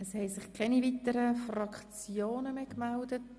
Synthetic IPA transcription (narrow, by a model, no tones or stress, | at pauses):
əshɛɪsɪχkʰɛnivitəɾəfrɑkχt͡sjoːnəmeːkmældət̚